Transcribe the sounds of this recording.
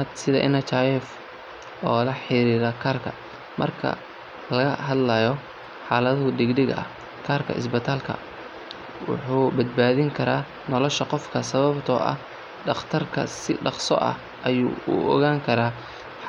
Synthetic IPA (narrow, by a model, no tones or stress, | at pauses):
d̪sɪðɐʔɪnɐt͡ʃʰajɛf | ɔ̰ːlɐħɪɾiːɾɐkʰaːrkʰɐ | mɐ̰rkʰɐ̰ | lɐɣɐɦɐd̪lɐjɔ | ħɑːlɐðʊɖɪɡɖɪɣɐɐ̰ | kʰaːrkʰɐ̰ɪ̰sbɪt̪ʰaːlkʰɐ̰ | wʊ̰ħuːbɐd̪̚baːðɪŋkʰɐɾaː | nɔlɔʃɐqɔfkʰɐsɐβɐbt̪ʰɔ̰ːʔɐ̰h | ɖɑχt̪ʰɐrkʰɐ̰sɪ̰ɖɑχsɔ̰ʔɐ̰h | ʔɐjuːʊ̰ʔɔ̰ɣaːŋkʰɐɾaː